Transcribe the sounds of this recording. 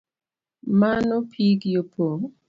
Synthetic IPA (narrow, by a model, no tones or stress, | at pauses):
manɔpʰiɡjopʰo